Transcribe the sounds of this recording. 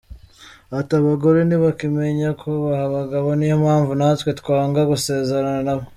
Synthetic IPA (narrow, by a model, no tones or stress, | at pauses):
ataβaɡo̞ɾe̞niβakime̞ɲakʰo̞βahaβaɡaβonijomhaːɱvunaːtwe̞tkwaːŋɡaɡuse̞ːzeɾananaβo